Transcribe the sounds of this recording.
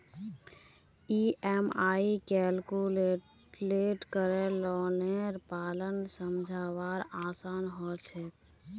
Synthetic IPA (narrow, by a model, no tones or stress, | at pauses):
iʔɛmaikɛlkul | leʈkəɾɛlɔneɾpaːlənsəmd͡ʒʱawaɾasaːnɦɔt͡ʃʰɛ